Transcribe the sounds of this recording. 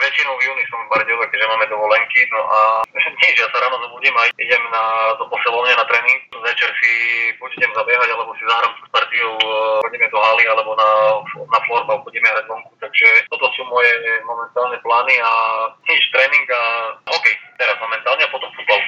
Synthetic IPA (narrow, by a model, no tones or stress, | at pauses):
ʋɛt͡ʃinɔʊvjuːnisɔmpaɾɟɛlɛkɛʒɛmaːmɛd̪ɔʋɔlɛŋkinɔʔaɲiʒɛjasaɾaːnɔzɔbuːɟiːmajiɟɛmnad̪ɔpɔsilɔvɲɛnat̪ɾɛːniŋk̚ʋɛt͡ʃɛɾsibud͡ʒɛɟɛmzabjɛɦaɟalɛbɔsizaɦɾamkuspaɾt̪iɔʊxɔɟɛmɛd̪ɔɦaːlialɛbɔnafnafɔɾbauxɔɟimɛanad̪ɔŋkut̪aɡʒɛt̪ɔt̪ɔsuːmɔjɛmɔmɛnt̪aːlnɛplaːniaɲiʃt̪ɾɛːniŋɡaɔkɛjt̪ɛɾazmɔmɛnt̪aːlɲɛapɔt̪ɔmfud̪̚bal